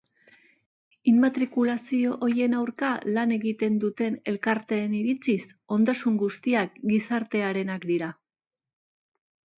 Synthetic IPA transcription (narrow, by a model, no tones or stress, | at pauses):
immat̪ɾikulasio̞ʔoɾje̞nawɾkalane̞ɣit̪e̞nd̪ut̪e̞ne̞lkaɾt̪e̞ːniɾit͡siso̞nd̪asuŋɡust̪iak̚ɡisaɾt̪e̞aɾe̞nakd̪iɾa